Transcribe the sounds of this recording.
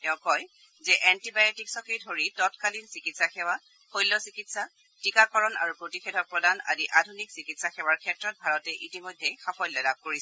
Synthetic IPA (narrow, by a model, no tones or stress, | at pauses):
tɛʊ̃kɔj | zɛʔɛntibajetiksɔkidʱoɹitɔtkalinsikitsaxɛwa | xojlːɔsikitsa | tikakɔɹɔna̰ɹupɹotixʰɛdʱɔpɹɔdana̰diʔadʱuniksikitsaxɛwaɹkʰɛtɹɔt̚bʱaɹɔtɛʔitimɔjdʱɛxapʰɔjlɔdab̚koɹisɛ